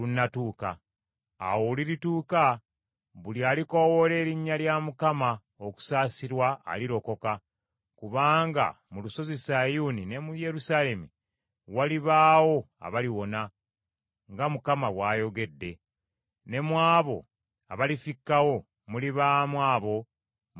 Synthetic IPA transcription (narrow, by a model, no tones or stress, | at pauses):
lunːatuːka̰ː | wo̞liɾituːka | βulialiko̞wole̞ːɾiɲːaljamukama | oku̥saːsiɾwa̰ːliɾo̞ko̞ka | kuβaːŋɡa̰ | muluso̞zisajuːnine̞muje̞ɾusale̞mi | waliβaːwo̞ | a̰βaliwo̞na | ŋɡamukamaβwaːjo̞ɡe̞dːe̞ | ne̞mwaːβo̞̰ | a̰βalifikːawo̞ | muliβaːmwaːβo̞